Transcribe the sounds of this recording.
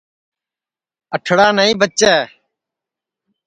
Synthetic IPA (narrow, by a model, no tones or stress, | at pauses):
əʈʰɽaːnəĩːbətːt͡ʃeː